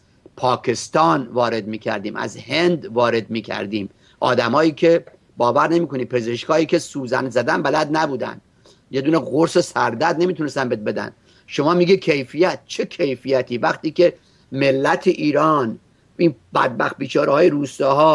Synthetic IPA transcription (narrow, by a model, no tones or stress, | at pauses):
pʰɒːkʰest̪ɒːnvɒːɾe̞d̪miːcʰæ̰ɾd̪iːmʔæ̰zhend̪vɒːɾe̞d̪miːcʰæ̰ɾd̪iːm | ʔɒ̰ːd̪æmɒːiːkʰe̞ | bɒːvæɾne̞miːkʰoniːpʰe̞zeʃkʰhɒːiːkʲʰesuːzæ̰nd̪zæd̪ænbælæd̪næbuːd̪æ̰nd̪ | je̞d̪uːneɣoɾsesæɾd̪æd̪nemiːt̪ʰunest̪ænbet̪̚be̞d̪æ̰n | ʃo̞mɒːmiːɡikʰejfijæt̪̚t͡ʃʰe̞kʰe̞jfijæt̪ʰiːvæχt̪iːke̞ | melːæt̪ʰeʔiːɾɒːn | ʔiːnbæ̰d̪̚bæxt̪̚biːt͡ʃʰɒːɾehɒːjeɾuːst̪ɒːɦɒː